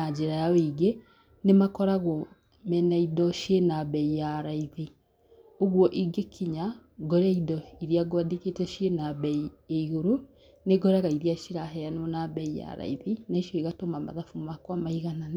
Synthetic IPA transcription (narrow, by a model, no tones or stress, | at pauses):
ad͡ʒeɾajaweɡe | nemakɔɾaɣwɔ | mɛnaidɔʃenaβɛijaɾaiði | oɣwɔʔiɡekʰiɲaɡɔɾaidɔiɾiaɡwadeketɛʃenaβɛijaiɣoɾo | neɡɔɾaɣaiɾiaʃiɾaɦɛjanwɔnaβɛija̰ɾa̰iðinaiʃjɔiɣatomama̰ðafumakwamaiɣanane